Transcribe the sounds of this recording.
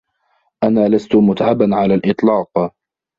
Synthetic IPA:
ʔanaːlast̪ʊmʊt̪ʕabanʕalaːlʔɨt̪ˤlɑːq

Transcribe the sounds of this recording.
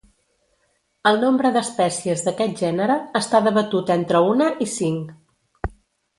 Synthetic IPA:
əlˠnombɾəðəspɛsiəzðəkɛt̪̚ʒɛnəɾəːst̪aðəβət̪ut̪ent̪ɾəunəʔisiŋ

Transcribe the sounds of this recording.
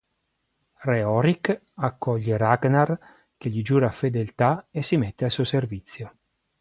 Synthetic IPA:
reɔɾik | akːɔʎːeɾaɡnar | k̟eʎːid͡ʒuːɾafed̪elt̪aesːimet̪ːealsuːoservit̪sːjo

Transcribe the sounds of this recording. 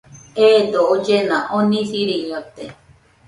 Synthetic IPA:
eːd̪ood͡ʒenãʔonĩsiɾiŋot̪e

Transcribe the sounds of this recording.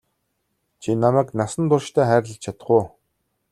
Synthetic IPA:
t͡ɕʰinamæːknasə̆nt̪ʊrʃt̪ʰæːχæːɾ̆ʲɮə̆t͡ɕʰat̪ə̥̆χʊː

